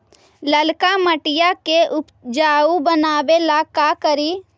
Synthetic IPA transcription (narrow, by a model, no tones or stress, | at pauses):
ləlkaməʈɪjakeʔʊpd͡ʒaːubənaːbelakakəɾiː